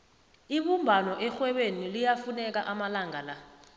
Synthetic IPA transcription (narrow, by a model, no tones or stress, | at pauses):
iɓumbʱanɔʔɛxwɛɓenilijafunɛk̬aʔamalaŋala